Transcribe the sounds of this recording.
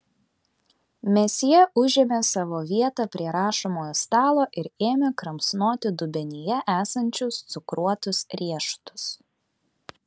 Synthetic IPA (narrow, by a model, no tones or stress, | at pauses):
mʲɛsʲjɛʔʊʒʲemʲesɑːʋoːʋʲiɛt̪ɑpʲɾʲiɛɾɑːʃoːmoːjoːst̪ɑːlˠoːʔɪɾeːmʲekɾɐmsnoːt̪ʲɪd̪ʊbʲɛnʲɪjɛʔæːsɐnʲt͡ʃʲʊst̪sʊkɾuɔt̪ʊsɾʲiɛʃt̪ʊ̥s